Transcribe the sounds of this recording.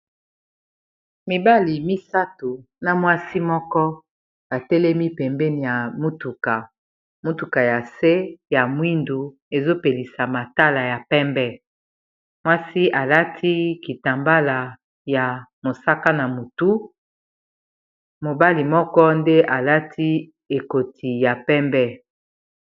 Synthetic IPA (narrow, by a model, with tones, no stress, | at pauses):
mi˨ba˦li˨mi˦sa˦tu˨ | na˨mwa˦si˦mɔ˦kɔ˦ | a˨tɛ˦lɛ˦mi˦pɛ˨mbɛ˦ni˨ja˨mu˦tu˨ka˨ | mu˦tu˨ka˨ja˨se˦ja˨mwi˦ndu˨ | e˨zo˦pe˨li˨sa˨ma˨ta˦la˨ja˨pɛ˦mbɛ˦ | mwa˦si˦ʔa˨la˦tʰi˦ki˨ta˨mba˦la˨ | ja˨mo˨sa˦ka˦na˨mo˨tu˦ | mo˨ba˦li˨mɔ˦kɔ˦nde˦ʔa˨la˦tʰi˦ | e˨ko˨tʰi˨ja˨pɛ˦mbɛ˦